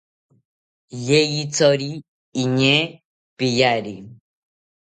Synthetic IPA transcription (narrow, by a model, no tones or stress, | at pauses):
jejit͡sɔɾiː | ɲe | pijaɾi